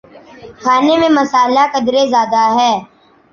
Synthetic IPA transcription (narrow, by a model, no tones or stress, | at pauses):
xʰaːnemẽmɐsaːlakɐd̪ɾezjaːd̪aɦɛː